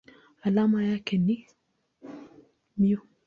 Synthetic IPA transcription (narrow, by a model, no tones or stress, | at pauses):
alamajakenːi | miu